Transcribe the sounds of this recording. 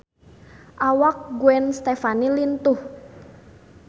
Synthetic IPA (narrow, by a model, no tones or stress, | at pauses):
ʔawak̚ɡuɛnst̪efanilint̪ʊh